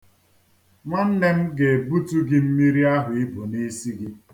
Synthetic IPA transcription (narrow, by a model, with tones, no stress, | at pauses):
ŋa˦n̩˦ne˦m̩˦ɡe˨bu˦tu˦ɡɪ˦m̩˦mi˦ɾi˦a˦ɦʊ˨i˦bo˨ni˦si˦ɡi˦